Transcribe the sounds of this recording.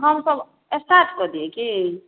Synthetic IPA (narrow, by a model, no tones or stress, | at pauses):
ɦʌmsʌb | esʈaʈʰɡʌɾd̪ieki